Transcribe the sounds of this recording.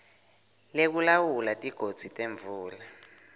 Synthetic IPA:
lek̬ulawulatʼiɡ̥ʱod̥z̥ʱitʼeɱvuːla

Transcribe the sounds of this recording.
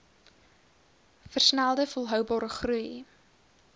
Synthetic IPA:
fərsnælˠdəfɔlˠɦœwbɑːɾəχruj

